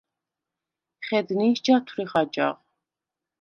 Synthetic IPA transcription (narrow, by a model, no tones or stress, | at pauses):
χɛd̪niːʃd͡ʒat̪ʰwɾiχad͡ʒa̰ʁ